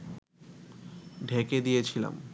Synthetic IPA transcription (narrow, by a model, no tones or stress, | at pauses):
ɖʱeked̪ijet͡ɕʰila̰m